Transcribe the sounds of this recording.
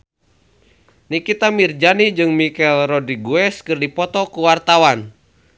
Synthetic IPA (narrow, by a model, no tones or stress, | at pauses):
nikit̪amird͡ʒanid͡ʒɨŋmikɛlrɔdɾiɡuɛskɨrdipɔt̪ɔkuwart̪awan